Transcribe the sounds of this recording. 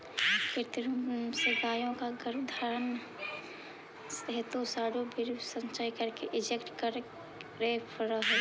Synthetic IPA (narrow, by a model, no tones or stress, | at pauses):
kɪɾt̪ɾumsəɾt̪aːjõkaɡəɾd̪ʱaːɾən | səɦət̪osaːɽobʱɪɾsə̃nt͡ʃaːikəɾkeʔɪd͡ʒekʈkəɾ | ɾeːpəɾəɦɛ